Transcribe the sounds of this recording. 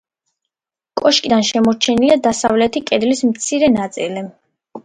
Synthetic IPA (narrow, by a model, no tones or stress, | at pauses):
kʼɔʃkʼid̪anʃɛmɔɾt͡ʃʰɛniliad̪asavlɛt̪ʰikʼɛd̪lismt̪sʰiɾɛnat̪sʼili